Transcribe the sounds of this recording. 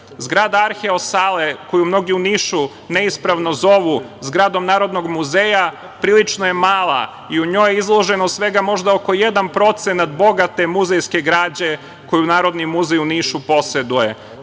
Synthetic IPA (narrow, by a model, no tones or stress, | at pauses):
zɡɾaːd̪aaɾxeosaːle̞ko̞jumno̞ɡiuniːʃu | ne̞ispɾaʋno̞zo̞ʋuzɡɾaːd̪o̞mnaːɾo̞d̪no̞ɡmuzeja | pɾiːlit͡ʃnoje̞maːlˠa̰ | iuɲo̞ːjeizlˠo̞ʒe̞nosʋe̞ɡamo̞ʒd̪aoko̞je̞d̪anpɾo̞t̪se̞nat̪bo̞ɡat̪e̞muzejske̞ɡɾaːd͡ʑe̞ | ko̞junaːɾo̞d̪nimuzejuniːʃupo̞se̞d̪uje